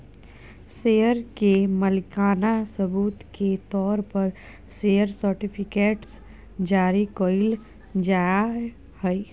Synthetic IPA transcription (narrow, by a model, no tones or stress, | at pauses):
seːəɾkeməlɪkaːnasɐbuːt̪ket̪ɔːɾpɐɾ | sejəɾsəɾʈɪpʰɪkeːʈs | d͡ʒaːɾikoːɪl | d͡ʒaːja | hɛi